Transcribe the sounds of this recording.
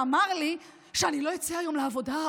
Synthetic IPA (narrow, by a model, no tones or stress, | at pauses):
amaʁli | ʃeanilo̞it͡siajo̞mleavo̞da